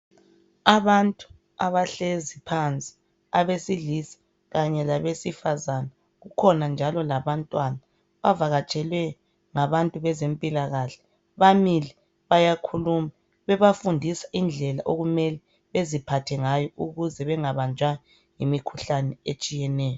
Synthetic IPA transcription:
aβantʼu̥ | aβaɬezipʰant͡sʼi̥ | aβesilisi̥ | ɣaɲɛlaβesifazana | ɣukʰɔnand͡ʒʱalɔlaβantʼwana | βavaɣat͡ʃʼɛlwɛ | ŋaβantʼuβɛzempʼilaɣaɬɛ̥ | βamilɛ | βajakʰuluma | βɛβafundʱisḁʔind͡ɮʱɛlaʔoɣumɛlɛ | βezipʰatʰɛŋajɔʔuɣuzɛβɛŋaβand͡ʒʱwajɔ | jimikʰuɬanɛet͡ʃʼijɛnɛːjɔ

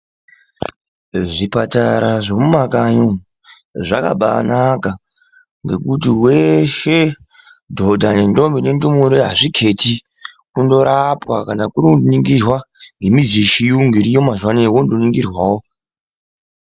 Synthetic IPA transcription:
ʐipataɾaʐo̞mumakaɲo | ʐaka̰ɓa̰naka | ŋɡe̞kutiwe̞ʃe | dʱodʱanendo̞mbine̞ndumuɾeɦaʐikʰe̞ti | kundo̞ɾapwakanakuɾiundoniŋɡirwaŋɡe̞mid͡ziʃijuŋɡiɾijo̞mazwanewondoniŋɡirwaːwo

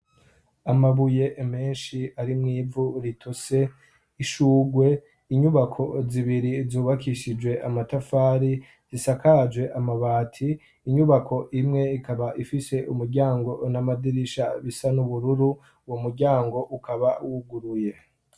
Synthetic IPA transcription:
amaβuje̞ʔme̞ːnʃiaɾimŋiːvuɾitʰose̞ | iʃuːɡwe̞ | iɲuβakʰo̞ziβiɾizuːβakʰiʃid͡ʒwe̞ʔamatafaːɾi | zisakad͡ʒwe̞ʔamaβaːtʰiː | ɲuβakʰo̞ʔimŋe̞ikaβaʔifise̞ʔumuɾɟaːŋɡo̞namadiɾiʃa̰βisanuβuɾuɾu | womuɾɟaːŋɡo̞ʔukaβawuɡuɾuje̞

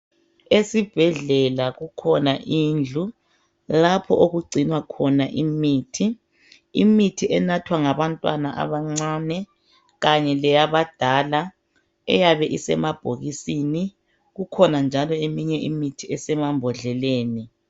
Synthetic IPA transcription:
esib̥ʱɛɮɛlaɣukʰɔnaʔind͡ɮʱu | lapʰɔʔoɣuɡ͡ǀʱinwakʰɔnaʔimiːtʰi | imitʰiʔɛnatʰwaŋaβantʼwanaʔa̰βaŋ͡ǀaːnɛ | ɣaɲɛlɛjaβad̥ʱala | ɛ̰jaβɛʔisɛmab̥ʱoɣisini | ɣukʰɔnand͡ʒʱalɔemiɲɛʔimitʰiɛsɛmambʱɔɮɛleːni

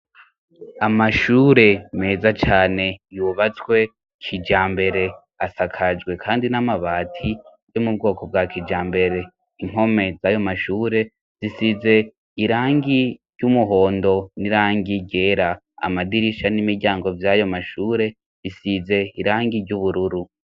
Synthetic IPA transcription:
amaʃuːɾe̞me̞ːzat͡ʃaːne̞juβat͡swe̞ | kʰid͡ʒaːmbe̞ɾe̞ | asakʰad͡ʒɡwe̞kʰaːndinamaβaːtʰi | jo̞mub̚ɡo̞ːko̞b̚ɡakʰid͡ʒaːmbe̞ɾe̞ | im̥ho̞me̞zaːjo̞maʃuːɾe̞ | z̥isize̞ | iɾaːŋɡiɾɟumuɦo̞ːndo̞niɾaːŋɡiɟe̞ːɾa | a̰madiɾiʃanimiɾɟaːŋɡo̞vjajo̞maʃuːɾe̞ | zisize̞iɾaːŋɡiɾɟuβuɾuɾu

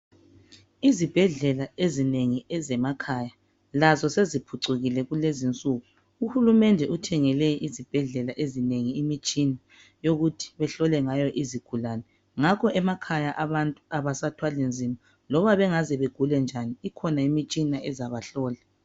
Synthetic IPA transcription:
izib̥ʱɛɮɛlaezineŋiɛzɛmakʰaːja | lazɔsezipʰuǀuɣilɛɣulezint͡sʼuɣu | uhulumɛndʱɛʔutʰɛŋɛlɛʔizib̥ʱɛɮɛlaʔezineŋiːmit͡ʃʼina | joɣutʰi̥βɛɬɔlɛŋajɔʔiziɡ̥ʱulaːnɛ | ŋakʰɔʔɛmakʰajaʔaβantʼu̥aβasatʰwalend͡zʱima | lɔβaβɛŋazɛβeɡ̥ʱulɛnd͡ʒʱaniːkʰɔnaimit͡ʃʼinaɛzaβaɬɔːla

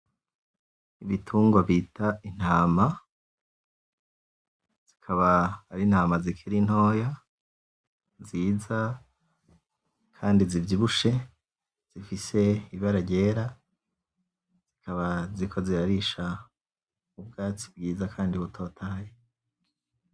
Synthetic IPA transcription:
iβitʰuːŋɡwaβitʰain̥haːma | z̥ikʰaβaːɾin̥haːmazikʰiɾin̥ho̞ːja | ziːza | kʰaːndizivɟiβuʃe̞ | z̥ifise̞iβaɾaɾɟe̞ːɾa | z̥ikʰaβazikʰo̞ziɾaɾiʃa | ub̚ɡaːt͡si̥b̚ɡiːzakʰaːndiβutʰo̞ːtʰaːje

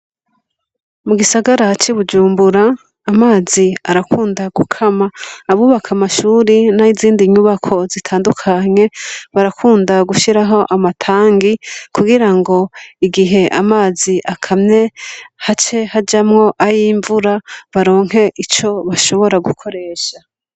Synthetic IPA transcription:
muɡisaɡaɾat͡ʃiβud͡ʒuːmbuɾaː | maːziaɾakʰuːndaɡukʰamaːβuβakʰamaʃuːɾinaiziːndiɲuβakʰo̞zitʰaːndukʰaɲe̞βaɾakʰuːndaɡuʃiɾaɦo̞ʔamatʰaːŋɡikuɡiɾaŋɡo̞iɡiɦe̞ʔamaːziʔakʰamɲe̞hat͡ʃe̞had͡ʒamŋo̞ʔajiɱvuɾaβaɾo̞ːŋ̥he̞ʔit͡ʃo̞βaʃo̞βo̞ɾaɡukʰo̞ɾe̞ːʃa

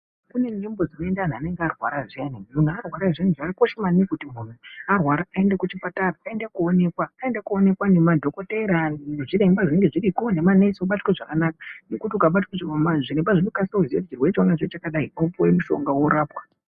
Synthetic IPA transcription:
kune̞nembo̞d͡zinoendaan̤ane̞ŋɡearwa̰ɾaʐenemunuarwaɾaʐin̤uʐarikoʃemanikutimun̤uarwaɾaae̞ndakut͡ʃipataraːe̞ndakuo̞ne̞kwaːendakuone̞kwanemadʱo̞ko̞teɾaneʐire̞mbaʐine̞ŋɡeʐiɾikonemaneisoɓatweʐakanakḁnekutiukaɓatweʐmaʐiɾembaʐinokasauʐijoit͡ʃirwet͡ʃwanat͡ʃot͡ʃakaɗaiopowemuʃo̞̰ŋɡawo̞ɾaːpwḁ

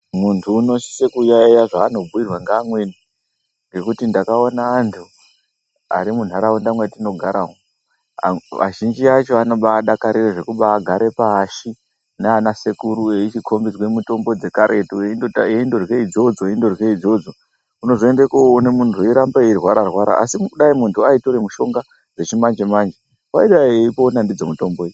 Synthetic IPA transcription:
muntʰuːno̞si̥sekujaijaʐaːno̞bʱuirwaŋɡaːmweni | ŋɡe̞kutindakaonaːntʰu | a̰ɾimun̤aɾawundamwetino̞ɡʱaɾawo̰ | ʋʔa̰ʒind͡ʒiat͡ʃo̞ano̞ɓaːɗakaɾireʐe̞kuɓaːɡʱaɾe̞paːʃi | neanase̞kuɾueit͡ʃikʰo̞mbid͡zwemuto̞mbo̞d͡ze̞kaɾʔetuenoeindo̞rweid͡zo̞d͡zoeindo̞rweid͡zo̞d͡zo̞ | uno̞ʐoendekoonemuntʰuiɾambarwaɾarwaɾa̰ʔa̰simukuɗaimuntʰuaito̞ɾemuʃo̞ŋɡa | d͡ze̞t͡ʃimand͡ʒemand͡ʒe | waiɗaeipoːnandid͡zo̞muito̞mboe

